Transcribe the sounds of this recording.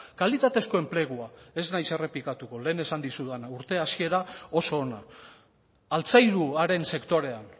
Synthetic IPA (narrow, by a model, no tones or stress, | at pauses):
kalit̪at̪e̞sko̞e̞mple̞ɣ̞uae̞znajse̞re̞plikat̪uko̞le̞ːne̞sand̪isuðanauɾt̪e̞asie̞ɾao̞so̞ːna | alt͡sajɾuaɾe̞nse̞kt̪o̞ɾe̞an